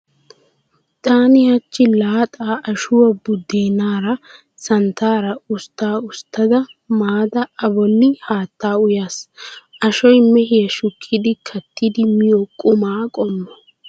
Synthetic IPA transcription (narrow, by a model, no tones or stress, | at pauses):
t̪ʼaːnɪhɐt͡ʃːɪlaːt̪ʼaːʔɐʃʊwɐbʊd̪ːeːnaːɾɐ | sɐnt̪aːɾɐʊst̪ːaːʊst̪ːɐd̪ɐmaːd̪ɐɐbɔnːɪhaːt̪ːaːʊjaːsʔɐʃɔjmɛɦɪjɐʃʊkʰːɪd̪ɪkʰɐt̪ːɪd̪ɪmɪjɔkʼʊmaːkʼɔmːɔ